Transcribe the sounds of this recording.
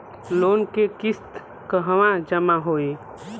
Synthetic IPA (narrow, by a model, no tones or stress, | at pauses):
lonkekist̪ | kəɦəʋãd͡ʒəmaɦoi